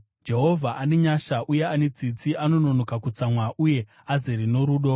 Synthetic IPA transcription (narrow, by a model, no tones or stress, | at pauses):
d͡ʒe̞ɦo̞vʱaʔane̞ɲaʃaʔuje̞ane̞d͡zit͡siʔano̞no̞no̞kakut͡samwaʔuje̞ | azeɾino̞ɾuːɗo